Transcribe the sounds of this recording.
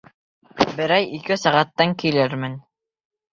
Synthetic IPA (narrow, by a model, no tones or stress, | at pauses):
bɘ̆ɾæjikɘsæʁæt̪ːɑŋkilɘɾmɘn